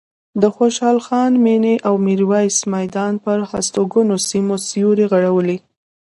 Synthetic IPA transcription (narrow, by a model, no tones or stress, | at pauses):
d̪əxoʃɑlxɑnmeneʔawmiɾwɑjsmajd̪ɑnpəɾhast̪oɡənosimosijuɾeɣaɽawəli